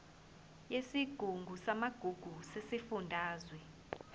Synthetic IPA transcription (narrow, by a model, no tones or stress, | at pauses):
jesiɡ̥ʱuŋɡʱusamaɡ̥ʱuɡ̥ʱusesifundʱaːzwɛ